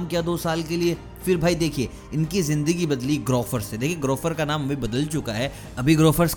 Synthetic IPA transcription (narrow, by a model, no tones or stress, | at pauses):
mkijad̪oːsaːlkelie | fɪɾbʱaːid̪eːkʰie | ɪnkizɪ̃nd̪əɡibɐd̪liɡɾoːfəɾsed̪eːkʰieɡɾoːfəɾkanaːmʋɐɦĩbɐd̪əlt͡ʃʊkaɦɛː | ɐbʱiɡɾoːfəɾs